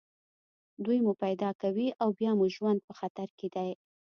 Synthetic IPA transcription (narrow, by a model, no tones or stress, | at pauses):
d̪ujmupajd̪ɑkawiʔawbjɑmuʒwand̪̚pəxat̪aɾked̪aj